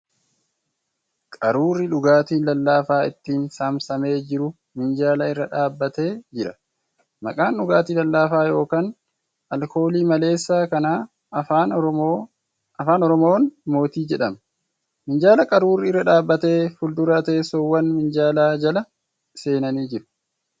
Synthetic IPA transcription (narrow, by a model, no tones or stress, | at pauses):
kʼɐɾuːrːɪᶑʊɡaːt̪iːnlɐlːaːfaːɪt̪ːiːnsamsɐme̞ːd͡ʒɪɾʊ | mɪnd͡ʒaːlɐɪrːɐᶑaːbːɐt̪e̞ːd͡ʒɪɾɐ | mɐ̰kʼaːnᶑʊɡaːt̪iːlɐlːaːfaːjo̞ːkaːn | ɐlkʰo̞ːliːmɐle̞ːsːaːkɐnaː | ɐfaːnɔɾɔmoːnmo̞ːt̪iːd͡ʒɛᶑɐmɐ | mɪnd͡ʒaːlɐkʼɐɾuːrːɪɪrːɐᶑaːbːɐt̪e̞ːfʊld̪ʊɾɐt̪e̞ːsowːɐnmɪnd͡ʒaːlaːd͡ʒɐlɐ | se̞ːnɐniːd͡ʒɪɾʊ̥